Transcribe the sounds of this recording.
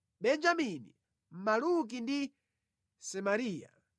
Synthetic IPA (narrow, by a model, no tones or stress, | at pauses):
ɓɛnd͡ʒaminḭ | m̩maluk̬indi | sɛmaɾiːja̰